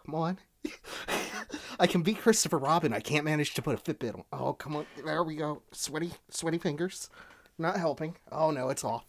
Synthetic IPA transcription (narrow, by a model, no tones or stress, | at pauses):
kʰʌmɑ̃n | aɪkʰɨ̃n̩bikʰɹ̥ɪstɨfə˞ɹɑbɨ̃naɪkʰæ̃nmænɨd̥ʒ̥tʰɨpʰʊɾɨfɪt̚b̥ɪɾl̩o̰ʊkʰʌ̃mə̃nðə˞wiɡoʊswɛɾiswɛɾifɪ̃ŋɡə˞z̥ | nət̚ɦɛlˠpɪ̃ŋʔo̰ʊnoʊɨtsɔf